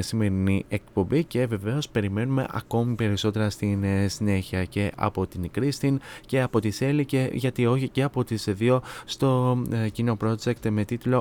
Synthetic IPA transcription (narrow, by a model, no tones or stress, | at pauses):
sime̞ɾinie̞kpo̞mbice̞ve̞ve̞o̞spe̞ɾime̞nume̞̰ʔɐ̰ko̞mipe̞ɾiso̞t̪e̞ɾɐst̪insine̞çiɐce̞ʔɐ̰po̞t̪inkɾist̪ince̞ɐpo̞t̪ise̞liceʝɐt̪io̞çiceɐpo̞t̪isðio̞st̪o̞cino̞pɾo̞d͡ze̞kt̪me̞t̪it̪lo̞